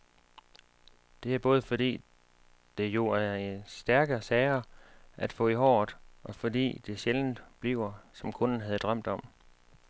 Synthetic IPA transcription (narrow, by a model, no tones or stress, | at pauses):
d̥e̝æɐb̥ɔ̽ːð̞̩ˠfɒ̽d̥ḭː | d̥e̝jo̝æɐe̝nsd̥æɐɡ̥ɐsɛːɪɐʔæd̥fɔ̰̽ːihɒ̰̥ːʔɒ̽fɒ̽d̥ḭːd̥e̝ɕeln̩b̥lḭʊ̰ɐsɒ̽mkʰɔ̽nn̩ɦæð̞ˠd̥ʁɶm̰d̥ɒ̽m̰